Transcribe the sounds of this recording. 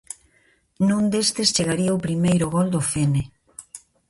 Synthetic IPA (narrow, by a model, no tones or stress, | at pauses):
nũnd̪est̪est͡ʃeɣaɾiaopɾimejɾʊɣɔld̪ʊfene